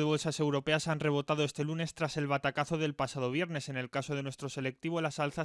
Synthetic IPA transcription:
eβo̞lsasewɾo̞pe̞asanre̞β̞o̞t̪aðoe̞st̪e̞lune̞st̪ɾase̞lβ̞at̪akaθo̞ðe̞lpasaðo̞β̞je̞ɾne̞se̞ne̞lkaso̞ð̞enwe̞st̪ɾose̞le̞k̚t̪iβo̞lasalθa

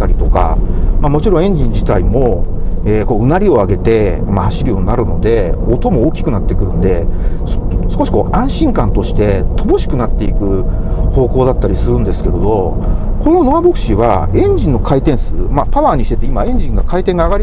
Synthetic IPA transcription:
aɾʲit̪o̞ka̰mamo̞t͡ɕiɾõẽ̞ɲ̟d͡ʑĩɲ̟d͡ʑit̪aimo̞eːko̞ːɯ̟naɾʲio̞aɡe̞t̪e̞ | mahaɕiɾɯjo̞ːɲinaɾɯ̟no̞d̪e̞ot̪o̞mo̞ːkʲi̥kɯ̟nat̪ːe̞kɯ̟ɾɯ̟̃nd̪e̞ssɨ̥ko̞ɕi̥ko̞ːʔãɰ̃ɕĩŋkãnt̪o̞ɕi̥t̪e̞t̪o̞bo̞ɕi̥kɯ̟nat̪ːe̞ikɯ̟ho̞ːko̞ːd̪at̪ːaɾʲisɨɾɯ̟̃nd̪e̞sɨ̥ke̞ɾed̪o̞ | ko̞no̞noabo̞kɯ̟̥ɕiβa̰ẽ̞ɲ̟d͡ʑĩnːo̞kʰait̪ẽ̞ɰ̃sɨmapaβaːɲ̟iɕi̥t̪e̞t̪eimaẽ̞ɲ̟d͡ʑĩŋɡakait̪eŋɡaːɡaɾi

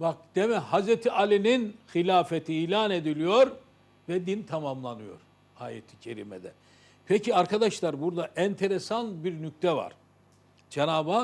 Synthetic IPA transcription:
bak̚d̪̥emɛhazɾet̪ʰiʔalʲininxilʲaːfet̪ʰiiːlʲaːne̞d̪ilʲijoɾ | vɛd̪int̪ʰamamlˠanɯjo̞̰ɾ̥ | a̰ːjḛt̪ʰi̥cʰeɾḭmɛd̪ɛ | pʰecʰiaɾkʰad̪aʃlˠaɾbuɾd̪aʔɛnt̪ʰeɾesanbiɾnyc̚t̪ʰɛva̰ɾ̥ | d͡ʒenaːba

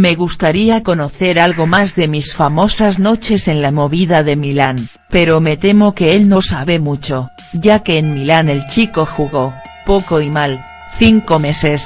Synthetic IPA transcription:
me̞ɣ̞ust̪aɾiako̞noθe̞ɾalɣo̞mazðe̞misfamo̞sazno̞t͡ʃe̞se̞nlamo̞βiðaðe̞milan | pe̞ɾo̞me̞t̪e̞mo̞ke̞e̞lno̞saβe̞mut͡ʃo̞ | ɟ͡ʝake̞ːnmilane̞lt͡ʃiko̞xuɣo̞ | po̞ko̞imal | θiŋko̞me̞se̞s

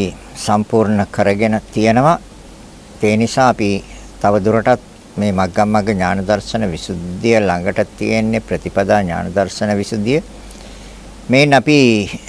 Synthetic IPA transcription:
i | sampuːɾɳəkəɾəɡenət̪ijenəʋa | eːnisaːpi | t̪aʋəd̪uɾəʈat̪̚ | meːmaɡːamːaɡəɲaːnəd̪arsənəʋisud̪ːijəlaŋɡəʈət̪ːḭjenːepɾət̪ipad̪aːɲa̰ːnəd̪arsənəʋisud̪ijə | menːapi

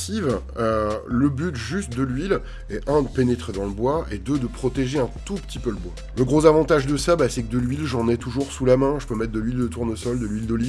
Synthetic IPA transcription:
siv | øləbyt̪ʒyst̪̚d̪əlɥil | ɛʔɛ̃d̪əpenet̪χed̪ɑ̃ləbwaed̪əd̪əpχɔt̪eʒeɛ̃t̪upə̥t̪ipøləbwa | ləɡʁozavɑ̃t̪aʒd̪əsabasɛkəd̪əlɥilʒɑ̃nɛt̪uʒuʁsulamɛ̃ʒəpømɛt̪̚d̪əlɥild̪ət̪uʁnosɔld̪əlɥild̪əli

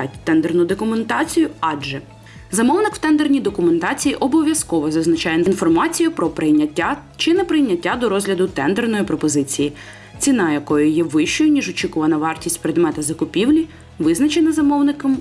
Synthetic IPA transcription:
ɑtʲt̪ɛnd̪ernʊd̪ɔkʊment̪ɑt͡sʲijʊɑʒɛ | zɐmɔwnɪkw̥t̪ɛnd̪ernʲijd̪ɔkʊme̞nt̪ɑt͡sʲijiʔɔbɔʋʲjɐskɔʋɔzɐznɐt͡ʃɑjeninfɔrmɑt͡sʲijʊpɾɔpɪjʲa | t͡ʃɪnɛpɾɪjnʲɐtʲːad̪ɔɾɔzɦlʲɐd̪ʊt̪ɛnd̪ernɔjipɾɔpɔzɪt͡sʲiji | t͡sʲinɑjɐkɔjʊjɛʋɪʃt͡ʃɔjʊnʲiʒɔt͡ʃʲikʊʋɐnɐʋɑrtʲisʲtʲpɾed̪mɛt̪ɐzɐkʊpʲiwlʲi | ʋɪznɐt͡ʃenɐzɐmɔwnɪkɐm

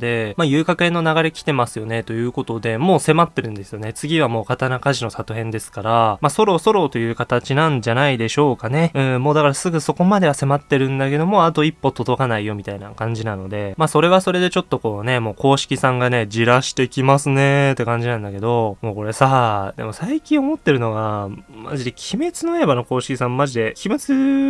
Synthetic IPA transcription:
d̪e̞maːjɯ̟ːkakɯ̟ẽ̞nːo̞naɡaɾe̞kʲi̥t̪e̞masɨjo̞ne̞t̪o̞jɯ̟ːko̞t̪o̞d̪e̞mo̞ːse̞mat̪ːe̞ɾɯ̟̃nd̪e̞sɨjo̞ne̞t͡sɨɡʲiβamo̞ːkat̪anakaʑino̞sat̪oɦẽ̞nd̪e̞sɨ̥kaɾamaso̞ɾo̞ːso̞ɾo̞ːt̪o̞jɯ̟ːkat̪at͡ɕinãɲd͡ʑanaid̪e̞ɕo̞ːkane̞ɯ̟̃ɴmo̞ːd̪akaɾasɨɡɯ̟so̞ko̞mad̪e̞β̞ase̞mat̪ːe̞ɾɯ̟̃nd̪ake̞d̪o̞mo̞at̪o̞ipːo̞t̪o̞d̪o̞kanaijo̞mʲit̪aina̰kãɲ̟d͡ʑinano̞d̪e̞maso̞ɾe̞βaso̞ɾe̞d̪e̞t͡ɕo̞t̪ːo̞ko̞ːne̞mo̞ːko̞ːɕi̥kʲisãŋɡane̞d͡ʑiɾaɕi̥t̪e̞kʲimasɨne̞t̪ːe̞kãɲ̟d͡ʑinãnd̪ake̞d̪o̞mo̞ːko̞ɾe̞sad̪emo̞saikʲĩɰ̃o̞mo̞t̪ːe̞ɾɯ̟no̞ɡama̰ʑid̪ekʲʰime̞t͡sɨnoebano̞ko̞ːɕi̥kʲisãmmːaʑid̪e̞kʲʰime̞t͡sɨ

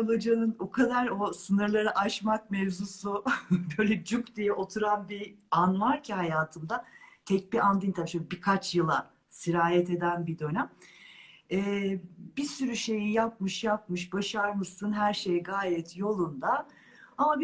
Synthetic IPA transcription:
olˠad͡ʒanɯnokʰad̪aɾo̞sɯnɯɾlˠaɾaʔat͡ʃmak̚mɛvzusubøjlʲɛd͡ʒukd̪ijɛʔo̞t̪ʰuɾanbianvaɾcʰihajaːt̪ʰɯmd̪at̪ʰɛc̚biand̪int̪ʰabʃbikʰat͡ʃjɯlˠa | siɾaːjɛt̪e̞d̪ænbid̪ø̞næm | ɛːbisyɾyʃe̞jijap̚mɯʃjap̚mɯʃ̬baʃaɾmɯʃsunɦæɾʃe̞jɛɡaːjɛt̪ʰjo̞lˠund̪a | amab

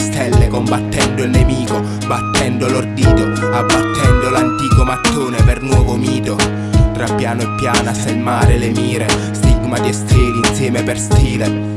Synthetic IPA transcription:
st̪ɛlːekombat̪ːɛnd̪ʊilnemiːko | bat̪ːɛnd̪olord̪iːt̪o | abːat̪ːɛnd̪olant̪iːkomat̪ːoːnepernwɔːvomiːt̪o | t̪ɾapːjaːnoepːjaːnasemːaːɾɪlemiːɾe | st̪iɡmat̪iest̪eːliːnsjɛːmeperst̪iːle

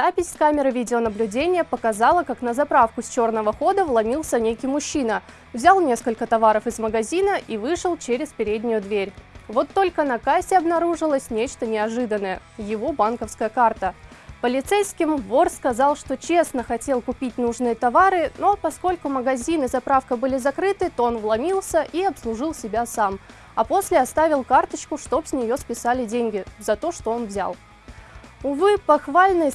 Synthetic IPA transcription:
zapʲɪsʲkamʲɪɾɨvʲidʲɪonəblʲʉdʲenʲɪjəpəkɐzɑlˠəkaknəzɐpɾafkʊsʲt͡ɕo̞rnəvəxo̞d̪əvlˠɐnʲilˠsʲənʲekʲijmʊɕːinə | vzʲalˠnʲe̞skəlʲkət̪ɐvaɾəfɨzməɡɐzʲinəʔivɨʂɨlˠt͡ɕeɾʲɪspʲɪɾʲedʲnʲɪjʊd̪vʲeɾʲvo̞t̪ːo̞lʲkənɐkasʲɪɐbn̪ɐɾuʐɨlˠəsʲnʲet͡ɕt̪ənʲɪɐʐɨd̪ənːəjəjɪvo̞bankəfskəjəkart̪əpəlʲɪt̪sejskʲɪmvo̞rskɐzɑlˠʂt̪o̞t͡ɕe̞snəxɐtʲelˠkʊpʲit̚ʲnuʐnɨjət̪ɐvaɾɨno̞pɐsko̞lʲkʊməɡɐzʲinɨzɐpɾafkəbɨlʲɪzɐkɾɨt̪ɨt̪o̞onvlˠɐmʲilˠsʲəʔiɐpslˠʊʐɨlˠsʲɪbʲasam | ɐpo̞sʲlʲɪɐst̪avʲɪlˠkart̪ət͡ɕkʊʂt̪o̞psʲnʲɪjo̞spʲɪsalʲɪdʲenʲɡʲɪzɐt̪o̞ʂt̪o̞o̞nvzʲa̰lˠ | ʊvɨpɐxvalʲnɨj

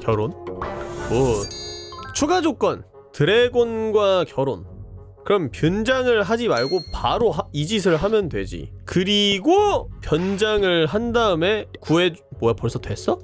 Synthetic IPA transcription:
kjʌɾonkɯɾiɡo | t͡ɕʰuɡad͡ʑok͈wʌn | tɯɾe̞ɡonɡwakjʌɾon | kɯɾʌmpjʌnd͡ʑaŋɯɭɦad͡ʑimaɭɡopaɾoɦaid͡ʑisʰɯɭɦamjʌndwe̞d͡ʑḭkɯɾiɡopjʌnd͡ʑaŋɯɭɦandaɯme̞kue̞mojapoɭsʰʌtwe̞s͈ʌ

